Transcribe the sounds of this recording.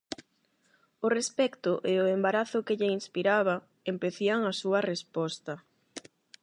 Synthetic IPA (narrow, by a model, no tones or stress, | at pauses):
ʊrespɛkt̪ʊʔeʊembaɾaθʊkɪʎeinspiɾaβ̞a | empeθiaŋasuɐrespɔst̪ɐ